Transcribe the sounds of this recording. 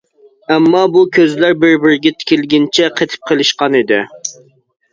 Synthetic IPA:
ɛmːɑbukʲʰøzlæɾbɪɾbɪɾɡʲɛt̪ʰɪ̥kʲilɡʲɪnt͡ʃʰɛqʰet̪ʰɪ̥p̚qʰəlˠɨʃqɑnid̪ɪ̰

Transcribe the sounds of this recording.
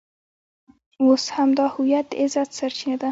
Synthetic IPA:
woshamd̪ɑhʊjat̪ɪzat̪saɾt͡ʃinad̪a

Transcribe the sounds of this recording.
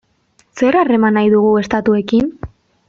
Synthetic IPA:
se̞ɾare̞manajðuɣue̞st̪at̪ue̞kin

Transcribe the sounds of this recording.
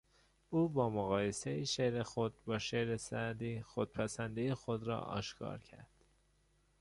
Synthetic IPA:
uːbɒːmoɣɒːjesejiʃeɾexod̪̚bɒːʃeɾesæd̪iːxod̪̥̚pʰæsænd̪ijexod̪ɾɒ̰ːʔɒ̰ːʃkʰɒ̰ːɾcʰæ̰ɾd̪̥

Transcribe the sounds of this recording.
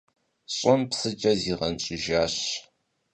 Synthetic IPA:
ɕʼənpsɨd͡ʒʼɐziʁɐnɕʼʊʒaːɕ

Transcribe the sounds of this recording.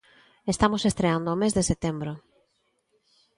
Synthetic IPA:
est̪amosest̪ɾeand̪oːmezðeset̪embɾʊ

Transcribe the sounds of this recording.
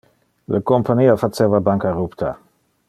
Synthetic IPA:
lʔəkompʰaniːafat͡sevabaŋkaɾupt̪ʰa̰

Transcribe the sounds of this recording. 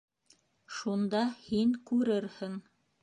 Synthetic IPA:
ʃund̪ɑhiŋkʉɾɘɾhɘŋ

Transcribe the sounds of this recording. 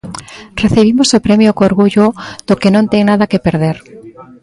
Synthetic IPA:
reθeβ̞imosopɾemjokoɾɣuʎʊð̥okenõnt̪eŋnaðakepeɾð̞eɾ

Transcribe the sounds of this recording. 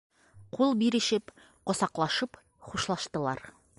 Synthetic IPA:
qulˠbiɾɘ̆ʃɘp | qŏsɑqlˠɑʃɤp | χuʃlˠɑʃt̪ɤ̆lˠɑ̰ɾ

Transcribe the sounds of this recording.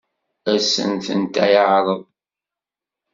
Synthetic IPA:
æsə̰nθə̰nt̪æjəʕɾˤəðˤ

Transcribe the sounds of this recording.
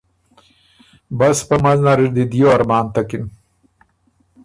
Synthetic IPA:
baspəmaznaɾiɾd̪id̪ijoaɾmaːnt̪akin

